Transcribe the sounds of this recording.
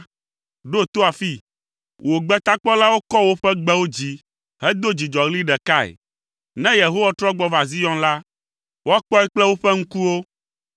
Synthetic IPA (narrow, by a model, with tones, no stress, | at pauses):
ɖo˦t̪o˦a˨fi˦ | wʔo˨ɡ͡bɛ˦t̪a˦k͡pɔ˦la˦wo˦kɔ˦wo˦ɸɛ˦ɡ͡bɛ˦wo˦d͡ʑi˦ | ɦɛ˦d̪o˦d͡ʑi˨d͡ʒɔ˨ɣli˦ɖɛ˨ka˦ɛ̰˨ | nɛ̃˦je˨ɦo˦wa˦t̪ɾɔ˦ɡ͡bɔ˦va˨zi˦jɔ̃˦nla˦ | wo˦a˦k͡pɔ˦ɛ˦k͡plɛ˦wo˦ɸɛ˦ŋ̩̃˦ku˦wo˦